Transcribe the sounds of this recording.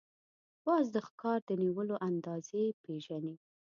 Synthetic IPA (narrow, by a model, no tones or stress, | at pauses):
wɑzd̪əxkɑɾd̪əniwəloʔand̪ɑzepeʒani